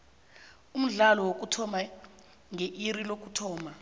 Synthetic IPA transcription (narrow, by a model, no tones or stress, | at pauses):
um̩ɮalɔwok̬ʼutʰɔma | ŋeʔirilok̬ʼutʰɔːma